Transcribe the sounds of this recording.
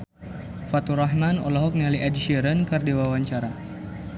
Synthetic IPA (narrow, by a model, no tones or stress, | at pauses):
fat̪uraɦmanɔ̰laɦɔk̚nialiʔad͡ʒiʃəɾənkərdiwawaɲt͡ʃaɾa